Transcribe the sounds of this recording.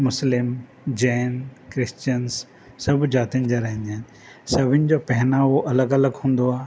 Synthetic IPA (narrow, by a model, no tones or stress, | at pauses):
mʊslɪm | d͡ʑɛːnkɾɪst͡ʃəns | sɐbd͡ʑaːt̪iənɪ̆d͡ʑaɾɐɦɪ̃nd̪en | sɐbʱɪnɪ̆d͡ʑopɛɦnaʋoʔɐləɡɐləɡɦũːn̆d̪oaː